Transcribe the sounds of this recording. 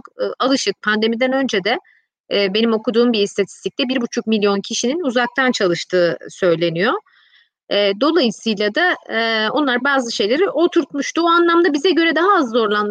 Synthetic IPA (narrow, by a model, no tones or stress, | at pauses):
okːalˠɯʃɯk̚pʰand̪e̞mid̪ænø̞nd͡ʒed̪ɛː | be̞nimo̞kud̪uːmbist̪ʰat̪ʰi̥st̪ʰic̚t̪ɛbiɾbut͡ʃʰuk̚milʲjo̞ncʰiʃininuzak̚t̪ʰant͡ʃʰalˠɯʃt̪ʰɯːsø̞jlʲe̞nijo | ɛːd̪o̞lˠajɯsɯjlˠad̪ao̞nlˠaɾbaːzɯʃe̞jlʲe̞ɾiʔo̞t̪ʰuɾt̪muʃt̪uoanlˠamd̪abizɛɟø̞ɾɛd̪aɦaːzːo̞ɾlˠan